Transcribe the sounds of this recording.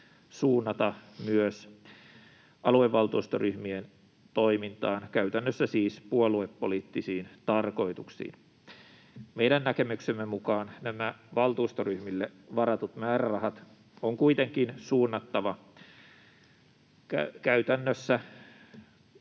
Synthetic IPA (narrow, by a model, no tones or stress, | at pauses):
suːnːɑt̪ɑmyøs | ʔɑlueʋːɑlt̪uːst̪oryhmien | t̪oimint̪ɑːnkæyt̪ænːøsːæsiːspuoluepːoliːt̪ːisiːnt̪ɑrko̞it̪uksḭːn | meidænːækemyksemːemukɑːnnæmæʋɑlt̪uːst̪oryhmilːeʋɑɾɑt̪ut̪mæːrærɑhɑt̪ | oŋkuit̪eŋkinsuːnːɑt̪ːɑʋɑ | kækæyt̪ænːøsːæ